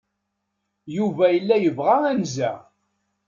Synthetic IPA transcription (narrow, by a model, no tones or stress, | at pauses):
juvæjəlːæjəvʁæænzæ̰